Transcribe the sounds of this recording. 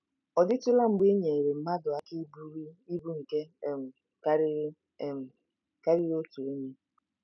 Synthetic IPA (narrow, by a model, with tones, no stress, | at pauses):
ɔ˨dɪ˦tʊ˦la˦ŋ͡m̩˨ɡ͡be˦ɲe˨ɾe˨m̩˨ma˦dʊ˨a˨ki˦bu˦ɾi˦bu˦ŋ̩˨ke˦˨m̩˨ | ka˦ɾ | m̩˨ | ka˦ɾɪ˦ɾo˦tu˨e˦ɲe˦